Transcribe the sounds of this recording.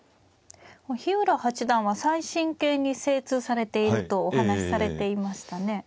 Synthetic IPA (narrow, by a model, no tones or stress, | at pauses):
koçiɯ̟ɾahat͡ɕid̪ãɰ̃βasaiɕĩŋke̞ːɲ̟ise̞ːt͡sɨːsaɾe̞t̪e̞iɾɯ̟t̪o̞ːhanaɕi̥saɾe̞t̪e̞imaɕi̥t̪ane̞